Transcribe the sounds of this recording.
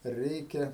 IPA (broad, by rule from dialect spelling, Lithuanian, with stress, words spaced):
ˈrʲɛɪkʲɛ